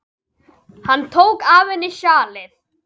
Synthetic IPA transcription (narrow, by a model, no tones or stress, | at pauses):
hanːt̪ʰoːwkaːvɪnːɪʃjaːlɪθ